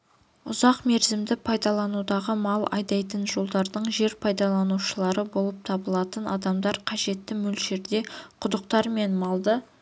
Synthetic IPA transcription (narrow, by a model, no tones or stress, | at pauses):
ʊzɑqme̞ɾzɪmd̪ɪpʰɑjd̪ɑlˠɑnud̪ɑʁəmɑlˠɑ̰jd̪ɑjt̪ənʒo̞lˠd̪ɑɾd̪əɴʒe̞ɾpʰɑjd̪ɑlˠɑnuʃəlˠɑɾəbo̞lˠəp̚t̪ʰɑbəlˠɑt̪ənʔɑd̪ɑmd̪ɑɾqʰɑʒe̞t̪ːɪmɵlʃe̞ɾd̪e̞qʰʊd̪əq̚t̪ɑɾme̞nmɑlˠd̪ə